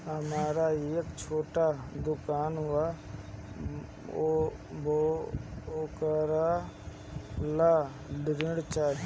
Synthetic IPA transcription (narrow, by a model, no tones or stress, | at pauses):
ɦəmaːɾaːekt͡ʃʰoːʈaːd̪ʊkaːnɦʊaː | bo | okəɾaː | laː | lɪɾɪɽt͡ʃaː